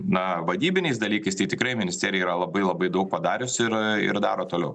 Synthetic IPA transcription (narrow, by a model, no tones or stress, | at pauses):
nɐʋɐd̪ʲiːbʲɪnʲɛɪsd̪ɐlʲiːkɐɪst̪ɐɪt̪ʲɪkɾɐɪmʲɪnʲɪsʲt̪ʲæːɾʲɪɛiːɾɐlˠɐbɐɪlˠɐbɐɪd̪ɐʊk̚pɐd̪ɑːɾʲʊsɪɾɪ̰ɾd̪ɑ̰ːɾoːt̪oːlʲɛʊ